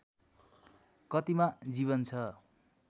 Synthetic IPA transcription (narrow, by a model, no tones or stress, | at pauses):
kʌt̪imad͡ziβʌnt͡sʰʌ